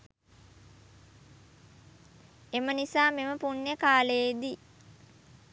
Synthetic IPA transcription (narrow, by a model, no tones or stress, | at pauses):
emənisaːmeməpunːəkaːləːd̪i